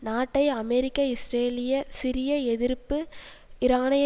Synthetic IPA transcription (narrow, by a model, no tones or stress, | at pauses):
naːʈːɐɪɐmɛɾɪkːɐɪsɾeːlɪjɐsɪɾɪjɐɛðɪɾpːɯ | ɪɾaːnɐj